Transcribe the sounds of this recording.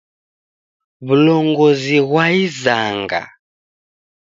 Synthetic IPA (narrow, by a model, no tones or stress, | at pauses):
βulɔŋɡɔziɣwaizaŋɡa̰